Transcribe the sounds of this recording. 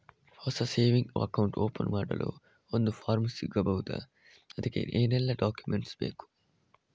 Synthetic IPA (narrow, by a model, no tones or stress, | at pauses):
fɔːsɐseːʋĩŋo̰ɐ̰kãʊ̃ɳʈoːpə̰̃nmaːɖɐ̰lo̰ː | ond̪ufaːɾmɐsiɡɐbɐwt̪ɐ̰ | ɐd̪ikḛnʔenelːɐɖɔːkjumẽɳʈsbḛːku̥